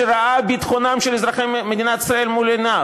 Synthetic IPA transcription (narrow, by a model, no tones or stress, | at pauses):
eɾaabit̪χonamʃelezɾaχemed̪inat̪i̥sɾae̞lmolena